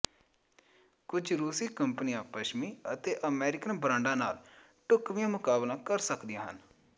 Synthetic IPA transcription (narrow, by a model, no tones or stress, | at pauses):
kʊd͡ʒɾuːsiːkəmpənijãːpəʃmiːət̪eːʔəmɛːɾɪkənbɾãːɳɖãːnaːl | ʈʊkʋijãːmʊkaːblãːkəɾsəkd̪ijãːɦə̰n